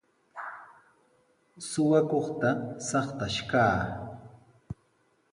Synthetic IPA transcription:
sʊwakoχt̪asɑχt̪aʃkaː

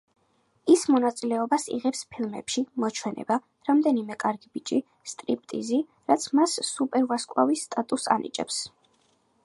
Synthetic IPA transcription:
ismɔnat̪sʼilɛɔbasḭʁɛpspʰilˠmɛ̰pʃimɔt͡ʃʰwɛnɛ̰ba | ɾamd̪ɛnimɛkʼaɾɡibit͡ʃʼi | st̪ʼɾipʼt̪ʼḭzi | ɾat̪sʰmasːupʼɛɾvaskʼwa̰visːt̪ʼat̪ʼusa̰nḭt͡ʃʼɛ̰ps

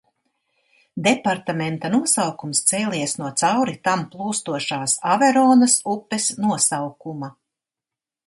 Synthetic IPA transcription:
d̪ɛpaɾt̪ament̪anuɔsawkumst̪seːlʲiɛsnuɔt̪sawɾit̪amplˠuːst̪uɔʃaːsavɛɾɔːnɐsupːesnuɔsawkumɐ

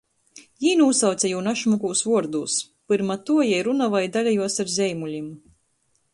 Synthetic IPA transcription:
jiːnuusawt̪sʲɛjuːnaʃmukuːsvuɔɾd̪uːs | pɨɾmat̪uɔjɛjɾunavajd̪alʲajuɔsaɾzʲɛjmulʲim

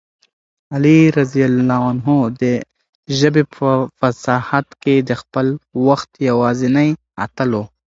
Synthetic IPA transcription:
aliɾazijalːɑanɦod̪ə | ʒəbepəfasɑhat̪ked̪əxpəlwaxt̪jawɑzenaj | a̰t̪əlo

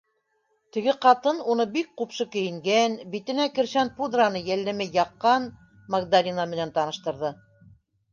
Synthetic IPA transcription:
t̪ɘ̆ɡɘqɑt̪ɤnunɤbik̚qupʃɤkɘ̆jɘ̆ŋɡænbit̪ɘ̆nækɘ̆ɾʃænpud̪ranɤjælːɘ̆mɘjɑqːɑn | mɐɡd̪alʲinamɘ̆nænt̪ɑnɤ̆ʃt̪ɤ̆ɾðɤ

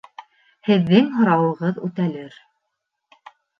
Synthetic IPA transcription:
hɘ̆ðːɘŋɦŏɾɑwɤ̆ʁɤðʉt̪ælɘɾ

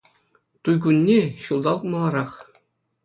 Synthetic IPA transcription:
t̪ujɡunʲːeɕulˠd̪ɑlˠt̪mɑlˠɑɾɑχ

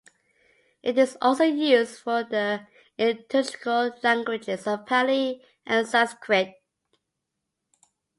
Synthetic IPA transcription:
ʔɪtɪzɔ̰lˠsoʊjʉzdfəðə | ɪtʰəd͡ʒɪ̥kəllæ̃ŋɡwɪd͡ʒɪzʌv̥pʰæli | ʔə̃nsaskʰɹɪt̚

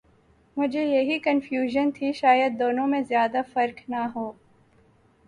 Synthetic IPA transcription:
mʊd͡ʒʱejɐɦikɐnfjuːʒənt̪ʰiʃaːjəd̪̚ːoːnõmẽzjaːd̪afɐɾknaɦoː

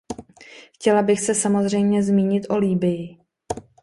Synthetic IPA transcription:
xcɛlabɪxsɛsamo̞zr̝ɛjmɲɛzmiːɲɪt̪ʔo̞liːbɪjɪ

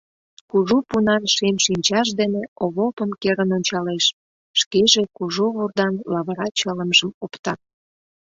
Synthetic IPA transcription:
kuʒupunɑnʃemʃinʲt͡ɕɑʃ̬d̪eneoβopəmkeɾənonʲt͡ɕɑleʃ | ʃkeʒekuʒuβurd̪ɑnlɑβəɾɑt͡ɕələmʒəmopt̪ɑ

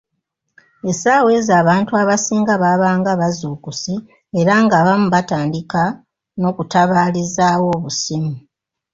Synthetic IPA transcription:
e̞saːwe̞zaːβaːntuaβasiːŋɡaβaβaːŋɡaβazuːkusi | e̞ɾaŋɡaːβamuβataːndika | no̞ːkutaβaːlizaːwo̞ːβusimu

